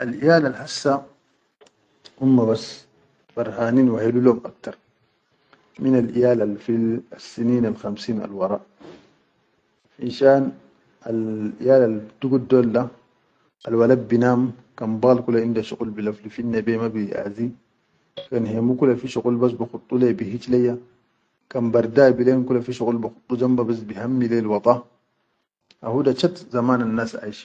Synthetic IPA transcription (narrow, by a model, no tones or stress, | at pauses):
ʔalʔijaːlalħasːa | ʔumːabas | b̥ɑɾˤhaːniːnwaħeluloːmʔak̚t̪ɑɾˤ | minalʔḭjaːlalfilasːiniːnalxamsiːna̰lwɑɾˤɑːʔ | ħinʃaːn | alʔḭjaːlald̪uɡudoːlda | alwalad̚binam | kanbaɣlkulaindaʃuqʼulbilaflifinːabemabiʔa̰zi | kanhemukulafiʃuqʼulbas̬bixut̪ʼˤːulebihit͡ʃlaja | kanbaɾdaːbileːmkulafiʃukʼulbixʊ̥t̪ʼˤːud͡ʒambabas̬bihamːileːlwɑt̪ʼˤɑ | ʔahudat͡ʃatzamaːnanːasa̰jʃ